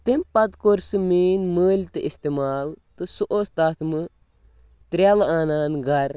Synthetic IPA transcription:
t̪imʲpɐd̪koɾsɨmiːnməːlʲt̪ɨʔist̪emaːlt̪ɨsuʔoːst̪aːt̪ʰmɨ | t̪ɾjalaːnaːnɡɐɾ

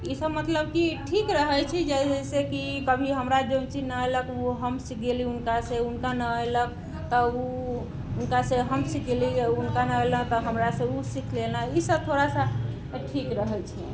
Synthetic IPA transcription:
isəbmət̪ləb̚kiʈʰikɾəɦɛt͡ʃʰid͡ʒɛsɛsekikəbʱiɦəmɾad͡ʒõt͡ʃinəələkuɦəmsikeliunkaseunkanəəjlək̚ | t̪ɔu | unkaseɦəmsikeliunkanəələ̃t̪ɔɦəmɾasə̃usikʰlelnaisəb̚t̪ʰoɾasa | ʈʰikɾəɦɛt͡ʃʰi

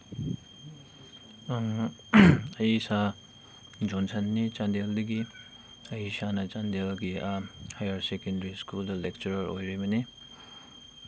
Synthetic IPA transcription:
ɐjsa | d͡ʒɔnsɐnːit͡ʃandeldɐɡi | ɐjsanɐt͡ʃandelɡihajɐɾsekendɾiskuldɐlek̚t͡ʃɐɾɐɾojɾibɐni

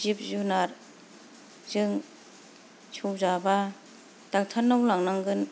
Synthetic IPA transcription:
zip̚zunaɾ | zɯŋ | t͡ʃʰuwzaba | tak̚t̪ʰanːawlaŋnaŋɡɯn

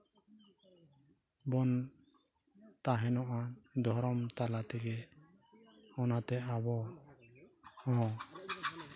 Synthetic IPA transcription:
bɔn | t̪aɦɛnɔʔad̪ʱɔɾɔmt̪alat̪ɛɡɛ | ɔnat̪ɛabɔ | ɔɦɔ̃

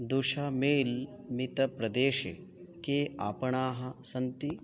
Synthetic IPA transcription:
d̪uʃɐmeːl | mit̪ɐpɾɐd̪eːʃḛ | keːaːpɐɳaːɦɐsɐnt̪i

